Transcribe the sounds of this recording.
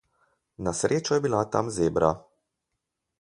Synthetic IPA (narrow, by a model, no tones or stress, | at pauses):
nasɾeːt͡ʃɔjɛbilat̪amzeːbɾa